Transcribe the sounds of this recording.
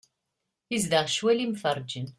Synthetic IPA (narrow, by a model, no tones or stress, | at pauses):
izd̪əʁʃwælimfəɾˤd͡ʒən